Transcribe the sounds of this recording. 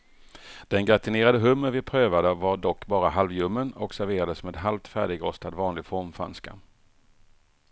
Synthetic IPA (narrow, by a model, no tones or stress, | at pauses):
d̪̥ɛnɡɾat̪ɪneːɾad̪əɦɵmːəɾvɪpʰɾøːvad̪əvaɖɔkːbɑːɾaɦalvjɵmːənɔksæɾveːɾad̪əsmeːd̪ɦalvt̪fæ̰ːɖɪɡɾɔst̪ad̪vɑːnlɪɡfɔɾmfɾa̰nska̰